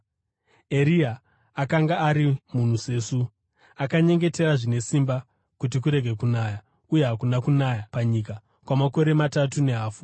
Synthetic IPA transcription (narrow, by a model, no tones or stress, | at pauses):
eɾiaː | kaŋɡaːɾimun̤use̞ːsu | akaɲe̞ŋɡe̞te̞ɾaʐine̞simba | kut̬ikuɾe̞ɡʱe̞kunaːja | uje̞ɦakunakunaːjapaɲika | kwamako̞ɾe̞matatune̞ɦaːfu̥